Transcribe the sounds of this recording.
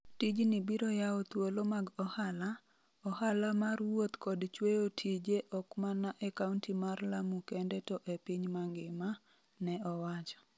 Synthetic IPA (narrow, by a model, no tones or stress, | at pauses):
tid͡ʒnibiɾɔjaɔt̪wolomaɡɔhala | ɔhalamarwot̪kɔdt͡ʃwejotʰid͡ʒeʔɔkmanaʔɛkauntimarlamukendɛtɔʔepiɲmaŋɡɪma | nɛɔwat͡ʃɔ̥